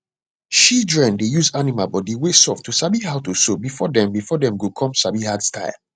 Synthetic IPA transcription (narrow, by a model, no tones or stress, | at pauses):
ʃidɹɛ̃ndejuzanimalbɔdiwesɔftʰusabihaʊtusobifɔdɛ̃mbifɔdɛ̃mɡukʰɔ̃msabihadstʰaɪl